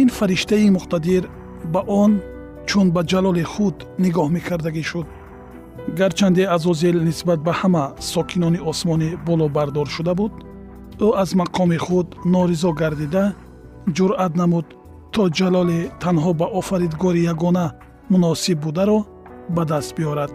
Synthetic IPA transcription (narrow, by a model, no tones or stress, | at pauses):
infaɾiʃt̪aimuqt̪ad̪iɾ | baʔɔn | t͡ʃʰunbad͡ʒalɔliχud̪ | niɡɔhme̞kʰaɾd̪aɡiʃud̪̚ | ɡaɾt͡ʃʰand̪iazɔzilnisbat̪̚bahamasɔkʰinɔniɔsmɔnibɔlɔbaɾd̪ɔɾʃud̪abud̪ | uazmaqʰɔmiχud̪nɔɾizɔɡaɾd̪id̪a | d͡ʒuɾʔat̪namud̪ | t̪ʰːɔd͡ʒalɔlet̪ʰanɦɔbaʔɔfaɾid̪ɡɔɾijaɡɔna | munɔsibːud̪aɾɔ | bad̪ast̪̚biɔɾad̪̥